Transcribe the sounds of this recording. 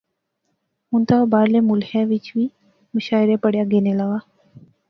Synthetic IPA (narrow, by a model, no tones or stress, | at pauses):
munt̪abaːɾlemulheʋit͡ʃʋiː | məʃaːjɾepəɽjaɡenelaʋa